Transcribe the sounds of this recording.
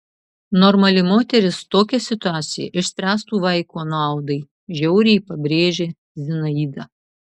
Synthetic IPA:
nɔɾmɐlʲɪmoːt̪ʲɛɾʲɪst̪oːkʲɛsʲɪt̪ʊæːt̪sʲɪjɛ̰ʔɪʃʲsʲpʲɾʲæːst̪uːʋɐɪkoːnɑˑʊd̪ɐɪ | ʒʲɛʊɾʲɛjpɐbʲɾʲeːʒʲe | zʲɪnɐiːd̪ɐ

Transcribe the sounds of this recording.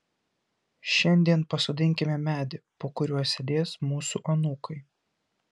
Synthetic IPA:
ʃʲɛnʲd̪ʲiɛnpɐsoːd̪ʲɪŋʲkʲɪmʲɛmʲæːd̪ʲɪpoːkʊɾʲuɔsʲed̪ʲeːsmuːsuˑʔɐnuːkʰɐɪ

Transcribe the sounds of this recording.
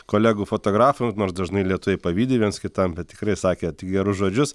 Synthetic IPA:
koːlʲæːɡuːfoːt̪oːɡɾɑːfʊnoːɾsd̪ɐʒnɐɪlʲiɛt̪ʊʋʲɛɪpɐʋʲiːd̪ʲɪʋʲiɛnskʲɪt̪ɐmbʲɛt̪̚tʲɪkɾɐɪsɑːkʲeːt̪ʲɪk̚ɡʲɛɾʊsʒoːd͡ʒʲʊs

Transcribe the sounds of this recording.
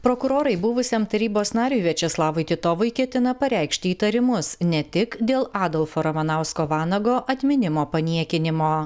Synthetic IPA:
pɾoːkʊɾoːɾɐɪbuʋʊsʲɛmt̪ɐɾʲiːboːsnɑːɾʲuːʋʲɛt͡ʃʲɛslˠɑːʋʊɪt̪ʲɪt̪oːʋʊɪkʲɛt̪ʲɪnɐpɐɾʲæˑɪkʃʲt̪ʲɪiːt̪ɐɾʲɪmʊsnʲɛt̪ʲɪkd̪ʲeːlˠɑːd̪ɔlˠfoːɾɐmɐnɑˑʊskoːʋɑːnɐɡoːʔɐt̪ʲmʲɪnʲɪmoːpɐnʲiɛkʲɪnʲɪmoː

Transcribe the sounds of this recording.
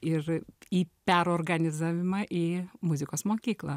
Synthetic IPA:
ɪɾiːpʲæɾoːrɡɐnʲɪzaːʋʲɪmɑʔiːmʊzʲɪkoːsmoːkʲiːklˠɑ

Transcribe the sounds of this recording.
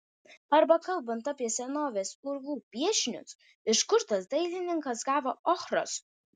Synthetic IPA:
ɐɾbɐkɐlˠbɐnt̪ɑːpʲiɛsʲɛnoːʋʲeːsʊɾʋuːpʲiɛʃʲnʲʊ̰s | ɪʃkʊɾt̪ɐsd̪ɐɪlʲɪnʲɪŋkɐsɡɑːʋoːʔɔxɾo̰ːs

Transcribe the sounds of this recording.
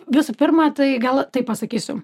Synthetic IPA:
ʋʲɪsʊpʲɪrmɑt̪ɐɪɡɐlˠt̪ɐɪpːɐsɐkʲiːsʲʊ

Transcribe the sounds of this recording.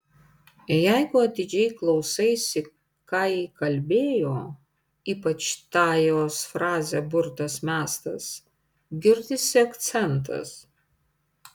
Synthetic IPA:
jæɪɡʊɐt̪ʲɪd͡ʒʲɛɪklˠɒʊsɐɪsʲɪ | kɐɪkɐlʲbʲeːjoː | iːpɐt͡ʃt̪ɑːjoːsfɾɑːzʲeːbʊɾt̪ɐsmʲæːst̪ɐ̰s | ɡʲɪɾʲd̪ʲɪsʲɪɐkt̪sʲɛnt̪ɐ̰s

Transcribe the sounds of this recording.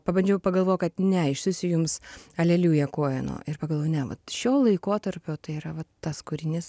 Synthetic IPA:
pɐbɐnʲd͡ʒʲɛʊpɐɡɐlˠʋoːjkɐt̪nʲɛɪʃsʊsʲʊjʊmsɐlʲeːlʲuːjɛkoːjɛno̰ːɪrpɐɡɐlˠʋoːjnʲɛʋɐ̰t̪ʃʲoːlˠɐɪkoːt̪ɐɾʲpʲoːt̪ɐɪiɾɐʋɐtːɐskʊɾʲɪnʲɪs

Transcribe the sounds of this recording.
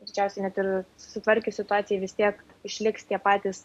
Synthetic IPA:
d̪ʲɪt͡ʃʲɛʊsʲɛɪnʲɛt̪ɪɾsʊ̥sʲɪt̪ʋɐɾʲkʲʊsʲɪt̪ʊɑːt̪sʲɪjɛɪʋʲɪst̪ʲiɛk | ɪʃʲlʲɪkst̪ʲiɛpɑːt̪ʲiːs

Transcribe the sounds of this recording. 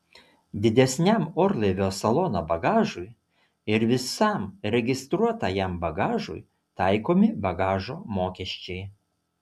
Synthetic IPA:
d̪ʲɪd̪ʲɛsʲnʲæˑmoːɾlˠɐɪʋʲoːsɐlˠɔnoːbɐɡɑːʒʊɪ | ɪɾʋʲɪsɑˑmɾʲɛɡʲɪst̪ɾuɔt̪ɑjɛmbɐɡɑːʒʊ̰j | t̪ɑˑɪkoːmʲɪbɐɡɑːʒoːmoːkʲɛʃʲt͡ʃʲɛɪ

